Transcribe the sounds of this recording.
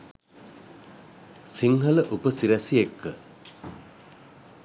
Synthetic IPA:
siŋɦələʔupəsiɾæsijekːə

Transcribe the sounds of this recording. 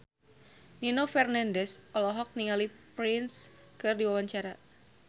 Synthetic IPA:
ninofɛrnandɛsɔlɔɦɔk̚niŋalipɾɪns | kɨrdiwawaɲt͡ʃaɾa

